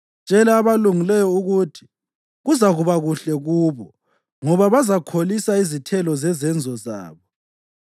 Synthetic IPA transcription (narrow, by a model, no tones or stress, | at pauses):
t͡ʃʼɛlaːβaluŋilɛjɔuɣutʰi̥ | ɣuzaɣuβaɣuɬɛɣuːβɔ | ŋɔβaβazakʰolisaizitʰɛlɔzɛzɛnd͡zʱɔza̰ːβɔ